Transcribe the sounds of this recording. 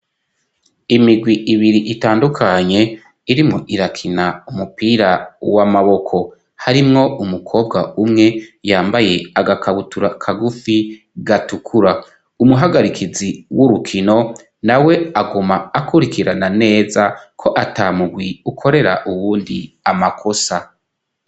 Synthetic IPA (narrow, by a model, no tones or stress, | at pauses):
imiɡwiʔiβiɾiʔitaːndukʰaɲe̞ | iɾimŋo̞ʔiɾakʰinaumupiːɾawamaβo̞kʰo̞ | haɾimŋo̞umukʰo̞ːbɡaumŋe̞jaːmbaje̞aɡakʰaβutuɾakʰaɡufi | ɡatukʰuɾa | umuɦaɡaɾikʰiziwuɾukʰino̞ | nawe̞aɡumaːkuɾikʰiɾanane̞ːzakʰo̞ʔataːmuɡwiukʰo̞ɾe̞ɾa̰ʔuβuːndi | amakʰo̞sa